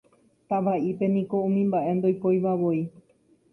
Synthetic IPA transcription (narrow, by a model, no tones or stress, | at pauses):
t̪aʋaipe̞nĩko̞ũmĩmbaʔe̞nd̪o̞jpojʋaʋoi